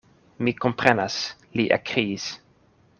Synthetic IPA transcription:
mikompɾɛnas | liʔa̰kɾiis

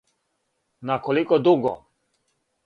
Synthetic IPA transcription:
nakolikɔd̪uɡɔ̰

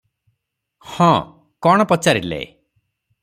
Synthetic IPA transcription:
hɔ̃ | kɔɽ̃ɔpɔt͡ʃaɾilḛ

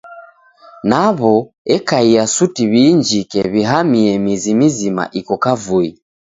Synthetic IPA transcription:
naβɔ | ɛkaiasutiβiːɲd͡ʒikɛβiɦamiɛmizimizima̰ʔikɔkavui

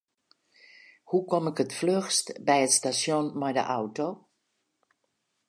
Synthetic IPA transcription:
hukɔmɪkətfløxstbɛjətstasjonmɛjdə̰ʔawtoː

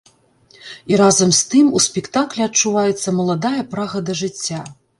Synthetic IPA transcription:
iɾazɐmst̪ɨmusʲpʲɛkt̪aklʲɛɐt͡ʂːuvajɛt̪sːɐmɐlˠad̪ajɐpɾaɣɐd̪ɐʐɨt͡sʲːa

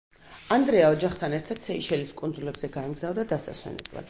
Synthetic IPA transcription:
and̪ɾɛaɔd͡ʒaχt̪ʰanɛɾt̪ʰad̪̥sɛiʃɛliskʼund̪zulɛbzɛɡaɛmɡzavɾd̪ad̪asa̰swɛ̰nɛ̰blˠa̰d̪̥

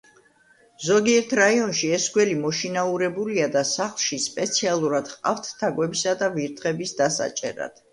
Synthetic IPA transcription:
zɔɡiɛɾt̪ʰɾaiɔnʃiɛsɡwɛlimɔʃinauɾɛbuliad̪asaχlˠʃispʼɛt̪sʰialˠuɾad̪̥χqʼa̰ft̪ʰːaɡwɛbisad̪aviɾt̪ʰχɛbisd̪asa̰t͡ʃʼɛ̰ɾa̰d̪̥

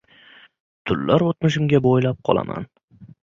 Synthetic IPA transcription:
t̪ʰʊlːaɾot̪mɪʃɪmɡʲabojlap̚qʰɒ̰lˠa̰mʔa̰n

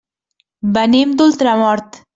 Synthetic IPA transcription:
banimd̪ʊlt̪ɾamɑɾt̪

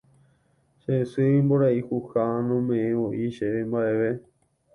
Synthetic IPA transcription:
ʃesɨimboɾaihuhanõmẽẽoʔiʃeʋembaʔeʋe

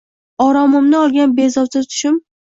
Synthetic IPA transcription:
ɒɾɒmʊmnɪɒlˠɡʲanbe̞zɒwsɪt̪ʰʊ̥ʃɪm

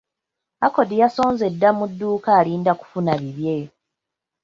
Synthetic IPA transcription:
ako̞dijaso̞ːnze̞dːamudːuːkaːliːndaku̥funaβiβje̞

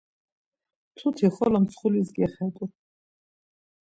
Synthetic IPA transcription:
t̪ʰut̪ʰiχɔlamsχulisɡɛχɛd̪ʼu

